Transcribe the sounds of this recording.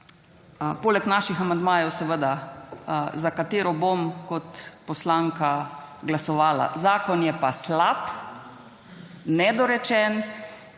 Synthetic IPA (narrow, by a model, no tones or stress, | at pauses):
poːlɛknaːʃixamand̪maːjɛwsɛʋəd̪a | zakat̪eːɾɔbomkɔt̪pɔslaːŋkaɡlasɔʋaːla̰zaːkɔnjɛpaslap | nɛd̪ɔɾɛt͡ʃɛn